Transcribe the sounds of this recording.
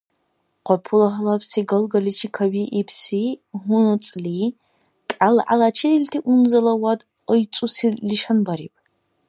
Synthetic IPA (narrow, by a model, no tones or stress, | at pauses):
qʷɔpʰulɐɦɨlɐpʰsiːɡɐlɡɐlit͡ʃʰikʰɐbiʔipʰsiːɦʊnɨt͡sʼliː | kʼalɨʔa̰lat͡ʃʰiriltʰiʔunzɐlɐwad | əjt͡sʼusiliʃɐnbɐɾḭːpʼ